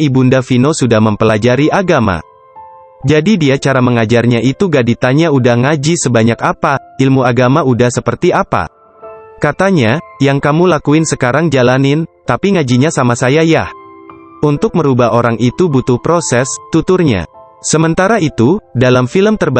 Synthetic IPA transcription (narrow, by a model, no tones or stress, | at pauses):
ibundafinosudahməmpəlad͡ʒaɾiʔaɡama̰ | d͡ʒadidiat͡ʃaɾaməŋad͡ʒarɲaʔit̪uɡadit̪aɲaudahŋad͡ʒisəbaɲakapailmuaɡamaudahsəpərt̪iapa̰ | kat̪aɲajaŋkamulakuɪnsəkaɾaŋd͡ʒalanɪnt̪apiŋad͡ʒiɲasamasajajah | unt̪ʊk̚məɾubaɦoɾaŋʔit̪ubut̪ʊhpɾosɛst̪ut̪ʊrɲa̰ | səmənt̪aɾait̪udalamfiləmt̪ərb